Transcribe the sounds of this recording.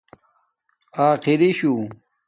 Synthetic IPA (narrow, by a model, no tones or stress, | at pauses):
aːqiɾiɕu